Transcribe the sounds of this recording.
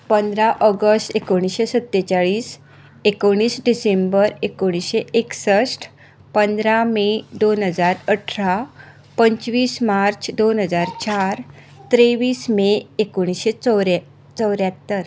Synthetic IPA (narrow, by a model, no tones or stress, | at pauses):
pənd̪ɾaʔəɡəsʈekoɽ̃iɕesət̪ːet͡ɕaɭiːs | ekoɽ̃iːsɖisembəɾekoɽ̃iɕeʔeksəsʈ | pənd̪ɾamed̪onɦəd͡zaɾəʈʰɾa | pəɲt͡ɕʋiːsmaɾt͡ɕʰd̪onɦəd͡zaɾt͡ɕaɾ | t̪ɾeʋiːsmeekoɽ̃iɕet͡sɾ | t͡səwɾjat̪ːəɾ